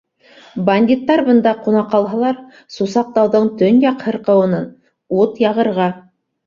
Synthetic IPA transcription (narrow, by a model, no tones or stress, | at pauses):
bɐnʲdʲit̪ːɑɾbɤ̆nd̪ɑqunɑqɑlˠɦɑlˠɑɾ | susɑq̚t̪ɑwðɤɴt̪ɵnjɑqhɤ̆ɾqɤ̆wɤ̆nɤn | ut̪jɑʁɤ̆ɾʁɑ